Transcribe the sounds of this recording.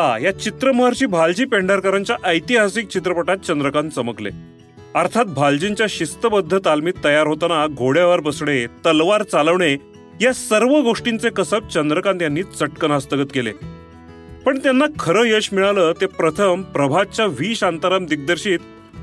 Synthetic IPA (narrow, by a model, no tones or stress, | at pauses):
hajat͡ɕit̪ɾəməɦaɾt͡ɕiːbʱald͡ʑiːpeɳɖəɾkəɾaɲt͡ɕjaʔəjt̪iɦasik̚t͡ɕit̪ɾəpəʈat̪̚t͡ɕənd̪ɾəkant͡səməklḛ | əɾt̪ʰat̪̚bʱald͡ʑint͡ɕjaɕist̪əbəd̪ʱːət̪almiːt̪ːəjaɾɦot̪anaɡʱoɽjaʋəɾbəsɽet̪əlʋaɾt͡saləʋɳe | jasəɾʋəɡoʂʈint͡sekəsək̚t͡ɕənd̪ɾəkãnt̪janːiːt͡səʈkənast̪əɡət̪kelḛ | pəɳt̪janːakʰəɾəːjəɕmiɭaləːt̪epɾət̪ʰəmpɾəbʱat͡ɕaʋiːɕant̪aɾəmd̪ik̚d̪əɾɕiːt̪